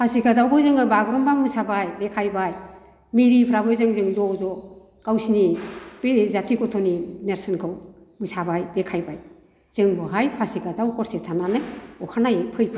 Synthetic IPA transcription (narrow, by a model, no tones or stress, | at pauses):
pʰasikazawbɯzɯŋɯbaɡɾɔmbaŋmɯsabajdekʰajbaj | miɾipʰɾabɯzɯŋzɯŋzɔzɔ | kawsinib̥ezatʰikɔtʰɔnineɾsɯnkʰɯw | mɯsabajbekʰajbaj | z̥ɯŋbɯɦajpʰasikʰazawkʰɔɾsetʰananɯjɔkʰanajepʰɯjpʰ